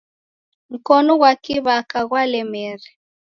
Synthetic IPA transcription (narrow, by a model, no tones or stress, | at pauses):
ŋ̩kɔnɔɣwakiβakaɣwalɛmɛɾɛ